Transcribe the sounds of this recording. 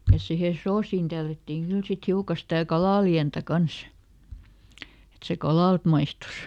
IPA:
jɑ sihe soːsiːn tælːætːiːŋ kyl sit hiukɑ stæˑ kɑlɑˑliæntæ kɑns et se kɑlɑˑlt mɑistus

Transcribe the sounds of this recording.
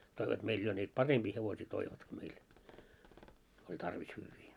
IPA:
toiʋɑt meil jo niːt pɑremb̥iː heʋosiː toiʋɑtki meil olʲ tɑrʋis hyːʋːiː

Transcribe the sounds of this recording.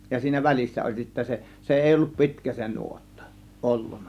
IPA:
jɑ siːnæ ʋælʲisːæ olʲ sitːæ se se eˑi olːup pi̞tkæ se nuotːɑ̥ ʔolːun̥ˑɑ̥

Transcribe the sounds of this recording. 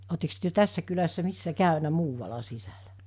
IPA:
otːeks tyø tæsːæ kylæsːæ misːæ kæˑynæ muːʋɑlɑ sisælæ

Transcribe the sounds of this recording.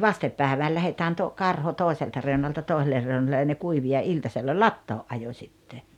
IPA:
ʋɑstep pæˑeʋæːl læhetæːn to kɑrho toˑeseltɑ reu̞nɑltɑ toˑiselːer reunɑlːe jɑ ne kuiʋi jɑ iltɑselːɑ lɑtːoːʔ ʔɑjo sʲitːe

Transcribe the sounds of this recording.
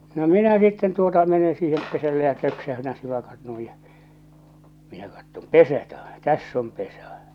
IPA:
no minæ sitːen tuotɑ mene siːhem pesælːe jɑ tøksæhytæn̞ siʋɑkɑt nuij jɑ minæ kɑtːom pesæ tæ tæsː om pesɑ̟

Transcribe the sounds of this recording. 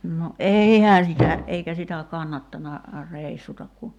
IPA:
no ʔeihæː sitæ eikæ sitæ kɑnːɑtːɑnɑ reˑisːutɑk ku

